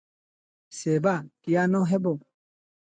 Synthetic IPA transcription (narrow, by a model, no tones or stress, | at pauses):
seːbakijaːnɔ̃ɦebo